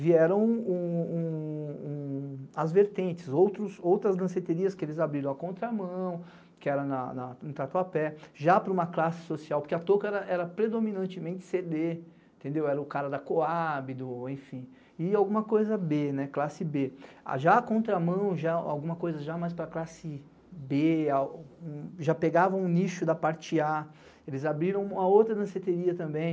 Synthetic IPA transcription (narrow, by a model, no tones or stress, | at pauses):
viɛɾɐ̃w̃ũũũɐzveɾt̪ẽnt͡ʃɪzowt̪ɾʊsowt̪ɾɐzlɐ̃set̪eɾiɐskɪelɪzabɾiɾɐ̃w̃ɐkõnt̪ɾɐamɐ̃w̃ | kɪɛɾɐnɐnɐnʊ̃t̪at̪uapɛʒapɾɐũmɐklasɪ̥sosiawpoɾkeɐt̪okɐɛɾɐʔɛɾɐpɾed̪ominɐ̃nt͡ʃɪmẽnt͡ʃɪ̥sed̪ẽ | t̪ẽnd̪ewɛɾɐʊkaɾɐd̪ɐkoabɪd̪ʊẽfĩ | ɪawɡũmɐkojzɐbenɛklasɪbea̰ʒakõnt̪ɾɐamɐ̃w̃ʒaa̰wɡũmɐkojzɐʒamajspɾɐklasɪ | beaũʒapeɡavɐ̃w̃ũniʃʊd̪ɐpaɾt͡ʃɪa | elɪzabɾiɾɐ̃w̃ũmɐowt̪ɾɐd̪ɐ̃set̪eɾiɐt̪ɐ̃mbẽj̃